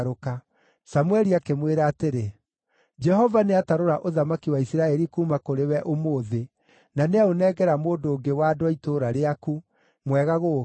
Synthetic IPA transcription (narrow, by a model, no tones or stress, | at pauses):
ɾoka | samwɛɾiakemweɾaːteɾe | d͡ʒɛɦɔvaneataɾoɾaʔoðamakiwaisiɾaɛɾikuːmakoɾewɛʔomoðe | naneaonɛɡɛɾamoːndoːŋɡewaːdowaitoɾaɾeaku | mwɛɣaɣo